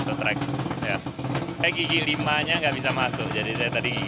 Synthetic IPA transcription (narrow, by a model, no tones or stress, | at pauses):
t̪ut̪ɾɛ̰k̚jajaɡiɡilimaɲaŋɡaʔbis̬amasʊk̚d͡ʒadis̬ajat̪adiɡi